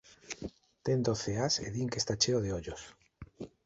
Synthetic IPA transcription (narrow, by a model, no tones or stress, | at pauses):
t̪end̪oθeasḛðiŋkest̪at͡ʃeoðeoʎos